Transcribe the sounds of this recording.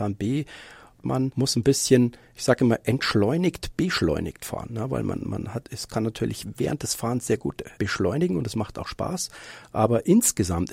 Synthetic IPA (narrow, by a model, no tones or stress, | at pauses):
aːnb̥eː | mʔa̰nmʊsn̩bɪsçən | ɪçz̥aːɡəɪmaːlʔɛntʃlɔʏnɪktb̥əʃlɔ̰ʏnɪ̰ktfa̰ːɐʁənːəva̰ɪlmʔa̰nma̰nhatɛskʰanːatʰyːɐlɪçvɛːʁəntd̥ɛsfaːʁənsz̥eːɐɡṵːtb̥əʃlɔʏnɪɡŋ̩ʊntɛsmaχtaʊxʃpa̰ːsʔaːbɐʔɪnsɡ̥əzamt